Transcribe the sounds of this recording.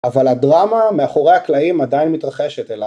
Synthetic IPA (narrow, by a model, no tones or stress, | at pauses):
avaladʁamameaχo̞ʁehaklaimadainmit̪ʁaχeʃet̪ela